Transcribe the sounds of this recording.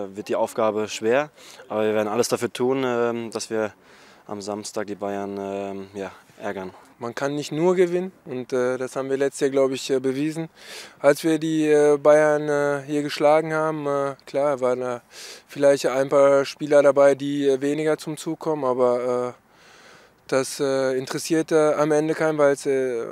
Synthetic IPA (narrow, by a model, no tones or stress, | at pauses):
vɪɐt̚d̥iːʔaʊfɡ̥aːbəʃv̥eːɐʔaːbɐviːɐeɐdn̩a̰ləsd̥afyːɐtʰuːnɛːmd̥asv̥iːɐ | ʔa̰mzamstaːk̚d̥iːbaɪɐnmjaːʔɛ̰ɐɡɐnmankʰanːɪçtnuːɐɡəvɪnənʊntɛːdashaːbm̩viːɐlɛt͡stjaːɐɡlaʊbəɪçɛːbəviːzn̩ʔalsv̥iːɐdiːɛːbaɪɐnɛːɦiːɐɡəʃlaːɡŋ̩haːbm̩ɛːkl̥aːvaːʁəndaːfɪlaɪçtʔaɪnpaːɐʃpiːlɐɾabaɪdiːɛːveːnɪɡɐt͡sʊmt͡suːkʰːɔmənaːbɐɛː | d̥asɛːɪntəʁɛsiːɐtəamʔɛndəkʰaɪnvaɪlsɛ